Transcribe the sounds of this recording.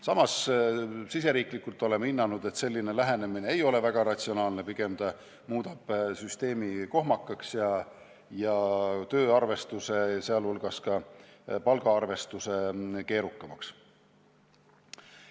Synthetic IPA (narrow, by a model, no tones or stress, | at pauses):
sɑmɑs | sis̬e̞ɾiːklikːˑult̪ːˑo̞leminːɑnud̪̥e̞t̪se̞lʲːinelæɦe̞ne̞mineejo̞le̞væɡ̥ɑɾɑt̪ʲsio̞nɑːlnepiɡ̥e̞md̪ɑ | muːd̪̥ɑb̥syst̪e̞ːmiko̞ɦmɑkːˑɑksjɑ | jɑt̪øːɑrve̞st̪use̞seɑlulɡ̥ɑskɑpɑlɡ̥ɑɑrve̞st̪use̞ke̞ːɾukːˑɑmɑks